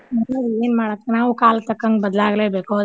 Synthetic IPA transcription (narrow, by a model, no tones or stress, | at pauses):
mɐnːɐd̪eːnmaːɽɐkːenaːʋukaːlɐt̪ɐkːɐŋɡbɐd̪ɐlaːɡleːbeːkoː